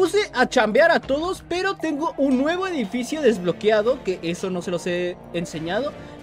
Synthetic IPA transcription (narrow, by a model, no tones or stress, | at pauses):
use̞ʔat͡ʃambjaɾat̪o̞ðo̞spe̞ɾo̞t̪e̞ŋɡo̞ʔunːwe̞βo̞e̞ðifisjo̞ðe̞zβlo̞kjaðo̞ke̞ʔeso̞no̞se̞lo̞se̞ː | nse̞ɲað̞o̞